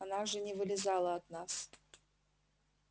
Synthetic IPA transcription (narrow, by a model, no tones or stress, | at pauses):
anaʐɨnʲɪvɨlʲɪzɑlˠəɐt̪nɑs